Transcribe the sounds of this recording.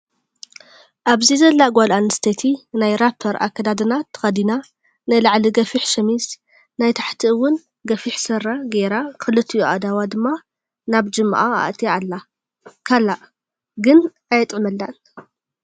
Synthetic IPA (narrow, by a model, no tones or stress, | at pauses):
ʔaβzizɐlːaɡʷalanɨst̪ʰet̪ʰinajɾapʰːɐɾa̰kʰːɐd̪ad̪ɨnat̪ʰːɐ̥xɐd̪ina | najlaʕliɡɐfiħʃɐmis | najt̪ʰḁħt̪ʰiɨwːʊn | ɡɐfiħsɐɾaɡeɾakʰɨlɨt̪ʰːijuʔad̪awad̪ɨmːa | naβd͡ʒɨmːa̰ʔaa̰ʔt̪ʰʼijalːa | kʰalaʔ | ɡɨn | ajɐt̪ʼʕmɐlːan